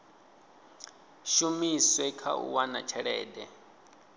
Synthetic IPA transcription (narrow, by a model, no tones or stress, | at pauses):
ʃumiswɛkʰa̰ṵwana̰t͡ʃʰɛɺɛːdɛ